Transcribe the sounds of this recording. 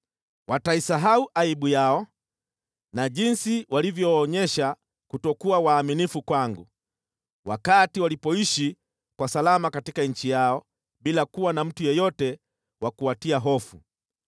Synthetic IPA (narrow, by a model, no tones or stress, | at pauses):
wataisaɦauʔaiɓujaɔ | naʄinsiwʔalivjɔːɲɛʃa | kutɔkuawaːminifukwaŋɡu | wakatiwalipɔiʃi | kwasalamakatikaɲ̩t͡ʃijaɔ | ɓilakuwanam̩tujɔjɔtɛ | wakuatiaɦɔfṵ